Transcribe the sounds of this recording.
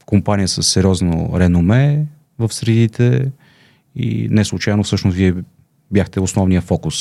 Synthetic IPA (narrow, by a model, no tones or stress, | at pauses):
kʊmpanijəsəsːɛɾʲjɔzno̰ɾɛnʊmɛ | vəfsɾɛd̪it̪ɛ | ḭnɛslˠut͡ʃajɛnofsɤʃnʊsviɛ | bʲjaxt̪ɛʊsnɔvnijəfɔkʊs